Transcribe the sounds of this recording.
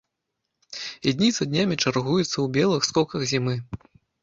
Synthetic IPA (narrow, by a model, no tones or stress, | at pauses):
id̪ʲnʲit̪sɐd̪ʲnʲamʲit͡ʂarɣujɛt̪sːɐwbʲɛlˠɨxskɔkɐɣzʲimɨ